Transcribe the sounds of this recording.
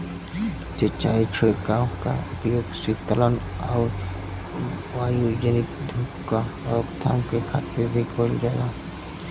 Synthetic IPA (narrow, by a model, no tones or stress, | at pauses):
t͡ʃet͡ʃa̰ːit͡ʃʰɪɽkaõka̰ʊpjoːɡsit̪ələnɔːɾ | ʋaːjud͡ʒənɪt̪d̪ʱukkːaɔkt̪ʰa̰ːmkekʰa̰ːt̪ɪɾbʱikʰoːld͡ʒaːɡaː